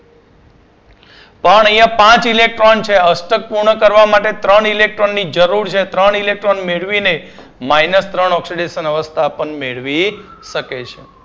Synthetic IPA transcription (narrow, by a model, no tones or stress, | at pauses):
pəɳəj̃ãpãt͡ʃilek̚ʈɾont͡ʃʰeəsʈək̚puɾɳəkəɾʋamaʈet̪ɾəɳilek̚ʈɾonːid͡ʒəɾuɾt͡ʃʰet̪ɾəɳilek̚ʈɾonmeɭʋine | mainəst̪ɾəɳɔksiɖeʃənəʋəst̪ʰapəɳmeɭʋiʃəket͡ʃʰe